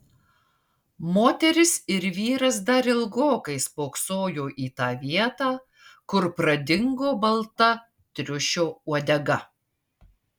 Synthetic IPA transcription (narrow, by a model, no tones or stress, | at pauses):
moːt̪ʲɛɾʲɪsɪɾʋʲiːɾɐs̬d̪ɐɾɪlˠɡoːkɐɪspoːksoːjoːʔiːt̪ɑːʋʲiɛt̪ɑː | kʊɾpɾɐd̪ʲɪŋɡoːbɐlˠt̪ɐ | t̪ʲɾʲʊʃʲoːuɔd̪ʲɛɡɐ